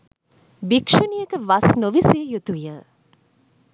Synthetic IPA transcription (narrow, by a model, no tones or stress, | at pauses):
bikʂunijəkəʋɐsnoʋiseːjut̪ujə